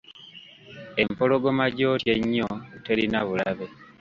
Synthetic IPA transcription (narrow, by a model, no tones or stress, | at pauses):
e̞mpoloɡo̞maɟo̞tjeɲːote̞ɾinaβulaβe̞